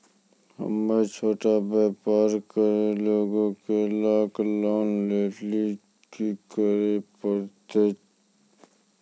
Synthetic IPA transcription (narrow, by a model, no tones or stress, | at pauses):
hə̰mːet͡ʃʰoːʈabepaːɾkəɾeloːɡõkelaːklɔːnleːli | kikəɾepəɾt̪e